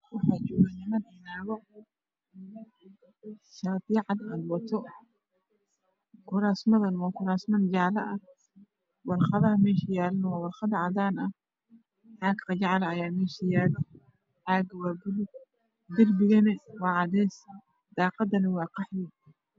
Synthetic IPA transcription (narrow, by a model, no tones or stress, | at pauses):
wɑħaːt͡ʃɔːɣanɪmɐnɛnaːɣɔ | ʃaːd̪iʕɑd̪aːd̪wɐt̪ʰɔ | kʰʊɾaːsmɐðɐnwaːkʰʊɾaːsmɐnd͡ʒaʕlɐʔɐ | wɑlχɑðɐhɐmɛːʃɐjaːlɐnwaːwɑlχɑdɐʕɑd̪aːnɐ | ħaːɡqɑd͡ʒɑʕlːjaːmɛːʃɐjaːlɔ | ħaːɡɐwɑbʊlɪ | d̪ɪrbɪɣɐnɛwɑːʕɑdɛːs | d̪ɑːqɑd̪ɐnɐwɑːqɑħdi